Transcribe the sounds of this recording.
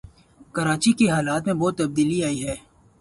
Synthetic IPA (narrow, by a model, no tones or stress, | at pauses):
kɐɾaːt͡ʃikeɦaːlaːt̪mẽbɔːt̪ːɐb̚d̪iːliaːiɦɛː